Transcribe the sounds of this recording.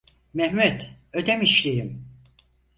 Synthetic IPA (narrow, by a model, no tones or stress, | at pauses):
mɛɦmɛt̪ | ød̪ɛmiʃlʲejim